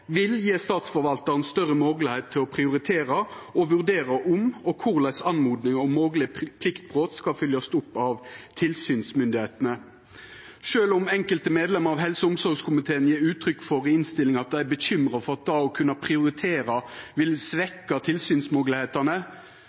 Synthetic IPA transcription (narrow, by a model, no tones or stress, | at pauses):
ʋɪljeːst̪ɑːt̪sfɔɾʋɑlt̪ɑʁənst̪œʁəmɔɡlɪheːt̪ʰːɪlɔpʰʁɪʊʁɪt̪ʰeːʁɑɔʋʉʁd̪eːʁɑʔʊmɔkʰʊʁlæɪsɑnmuːd̪nɪŋɔmːoːɡlɪəpʰlɪkt̪̚bʁoːt̪skɑfʏljɑst̪ʊpːɑʋt̪ʰɪlsyːnsmʏnd̪ɪheːt̪ənə | ʂøːlʊmɛŋkəlt̪əmeːd̪lɛməʁɑʋɦɛlsəʊmsɔɾɡskʰʊmɪt̪ʰeːənjeːʉːt̪ʰɾʏkːfɔʁɪnst̪ɪlːɪŋɑt̪̚d̪æɪæbəçʏmʁɑfɔʁɑt̪̚d̪ɑɔkʰʉnːɑpʰʁɪʊʁɪt̪ʰeːɾɑʋɪlsʋɛkːɑt̪ʰɪlsyːnsmɔɡlɪheːt̪ɑnə